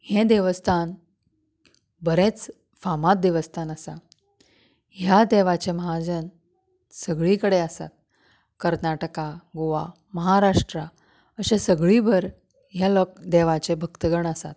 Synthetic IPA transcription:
hẽd̪eʋəst̪ʰan | bəɾẽt͡s | famat̪̚d̪eʋəst̪ʰanəsa | ɦjad̪eʋat͡ɕeməɦad͡ʑən | səɡɭikəɽeəsa̰t̪̚ | kəɾnaʈəkaɡoʋa | məɦaɾaʂʈɾa | əɕesəɡɭibəɾ | ɦjalɔkd̪eʋat͡ɕebʱəkt̪əɡəɳəsa̰t̪̚

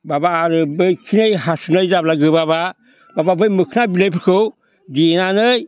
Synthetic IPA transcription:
babaːɾɯbɯjkʰinejɦasunɯjzablaɡɯbaba | bababɯjmɯkʰɯnabilejpʰɯkʰɯw | dinanɯj

